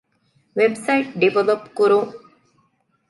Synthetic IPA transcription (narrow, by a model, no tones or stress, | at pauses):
ʋebsɐjʈ̚ɖiʋelopkuɾuŋ